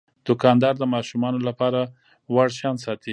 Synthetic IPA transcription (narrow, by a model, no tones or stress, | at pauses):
d̪̥ʊkɑnd̪ɑɾd̪əmɑʃumɑnolapɑɾa | waɽʃɑnsɑt̪i